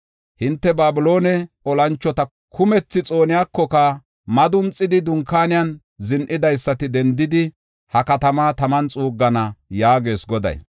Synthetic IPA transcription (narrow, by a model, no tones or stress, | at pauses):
hɪnt̪ːɛbaːbʊlo̞ːnɛ | ɔlɐnt͡ʃːɔt̪ɐ | kʰʊmɛt͡sːɪt͡sʼo̞ːnɪjaːkːɔkɐ | mɐd̪ʊmt͡sʼːɪd̪ɪd̪ʊŋkaːnɪjɐn | zɪnʔɪd̪ɐjsːɐt̪ɪd̪ɛnd̪ɪd̪ɪ | hɐkɐt̪ɐmaːt̪ɐmɐnt͡sʼuːɡːɐnɐjaːɡe̞ːsɡɔd̪ɐ̰j